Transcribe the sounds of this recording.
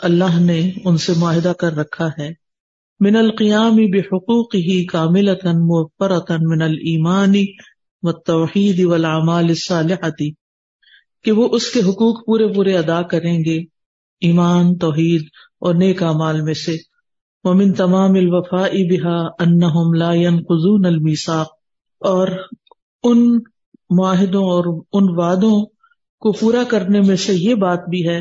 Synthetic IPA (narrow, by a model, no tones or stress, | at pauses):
ɐlːaːɦneʊnsemʊaːɦɪd̪akɐɾːɐkʰːaɦɛː | mɪnɐlqɪjaːmɪbɪħʊquːqɪɦikaːmɪlɐt̪ɐnmʊɐfːɪɾɐt̪mɪnɐliːmaːni | ʋɐt̪ːoːħiːd̪wɐlaːmaːlɪsːaːlɪħɐt̪i | keʋoʔʊskeɦʊquːqpuːɾepuːɾeɐd̪aːkɐɾẽːŋɡe | iːmaːnt̪ɔːɦiːd̪ | ɔːɾneːkaːmaːlmẽse | ʋɐmɪ̃nt̪ɐmaːmɪlʋɐfaːʔɪbɪɦaːɐnːɐɦʊmlaːjɐnqʊzuːnɐlmiːsaːq̚ | ɔːɾ | ʊn | mʊaːɦɪd̪õɔːɾʊnʋaːd̪õ | kopuːɾakɐɾnemẽsejebaːt̪bʱiɦɛː